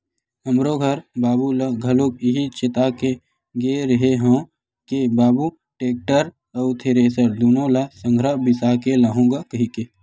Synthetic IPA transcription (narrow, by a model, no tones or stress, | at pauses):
ɦəmɾoɡʱɐɾbaːbulɐɡʱɐlok̚ɪɦit͡ʃɪt̪ake | ɡeɾəɦeɦõː | kebaːbu | ʈeːk̚ʈəɾ | ɐwt̪ʰeɾesəɾd̪uːnõlɐsə̃ŋɡʱɾəbɪsaːkelaɦõːɡakɐɦike